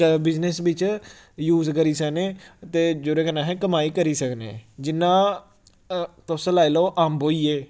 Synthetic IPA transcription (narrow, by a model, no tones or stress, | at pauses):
bɪznesbɪt͡ʃ | juːzkəɾiːsəkneːt̪eːd͡ʒoːɾeːkənãːɦɛ̃ːkəmaːiːkəɾiːsəknḛ̃ːd͡ʒɪnːãː | t̪oslaːiloːʔaːmboːiːeː